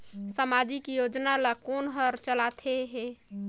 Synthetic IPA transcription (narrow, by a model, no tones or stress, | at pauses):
səmad͡ʒikijod͡ʒnalakonɦəɾt͡ʃəlat̪ʰeɦɛ̃